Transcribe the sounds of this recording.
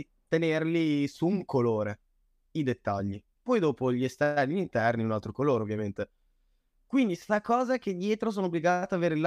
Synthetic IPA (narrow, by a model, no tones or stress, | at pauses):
t̪enerlisuuŋkʰoloːɾe | id̪et̪ːaʎːi | pɔjd̪oːpoʎiest̪ɛrniint̪ɛrniunalt̪ɾokoloːɾeovːjament̪e | kwind̪ist̪akɔːzak̟ed̪ːjɛːt̪ɾos̬oːnobliɡat̪eaveːɾel